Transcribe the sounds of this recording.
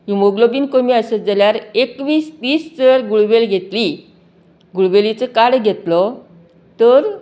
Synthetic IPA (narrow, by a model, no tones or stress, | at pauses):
jumoɡlobiːnkomiːəsəd͡zəljaɾekʋiːst̪iːst͡səɾɡuɭʋelɡʱet̪li | ɡuɭʋelit͡səkaɽɡʱet̪lɔ | t̪əɾ